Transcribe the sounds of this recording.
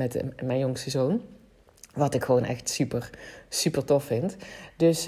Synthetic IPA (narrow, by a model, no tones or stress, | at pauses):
ɛtmɛjnjoŋsəzown | ʋɑtɪkxəʋownʔɛ̰xtsypəɹsypəɹtɔfɪntdɵs